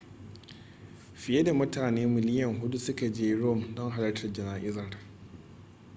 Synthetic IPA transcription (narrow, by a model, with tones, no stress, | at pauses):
ɸɪ˨je˦da˨mʊ˦taː˨neː˦mɪ˨lɪ˦jɐ˨ŋɦʊ˦du˦sʊ˦ka˨d͡ʒeː˦ɽo˦˨mdɔ˦ŋɦa˨lɐ˦tʰɐ˨rd͡ʒɪ˨naː˨ʔɪ˦zɐ˨r